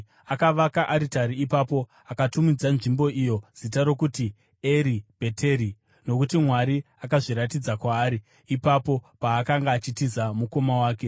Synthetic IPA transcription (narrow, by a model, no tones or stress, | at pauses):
akaʋakaʔaɾitaɾiipapo̞ | akatumid͡zanʐimbo̞ʔijo̞z̥itaɾo̞kuti | e̞ɾib̥ʱetʰe̞ɾi | no̞kutimwaɾi | akaʐiɾatid͡zakwaːɾiː | papo̞paːkaŋɡaːt͡ʃitizamuko̞mawaːke̞